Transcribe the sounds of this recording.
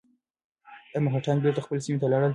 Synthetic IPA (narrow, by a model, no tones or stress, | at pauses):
amaɦaʈanbeɾt̪axpəlesimet̪alɑɽəl